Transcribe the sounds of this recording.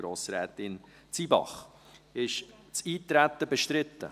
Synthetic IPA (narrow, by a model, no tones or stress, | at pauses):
ɾoːsɾɛːt̪ɪn | t͡sibɑ̰χ | ɪʃt͡siːtɾæt̪ːəbɛʃtɾɪtːə̰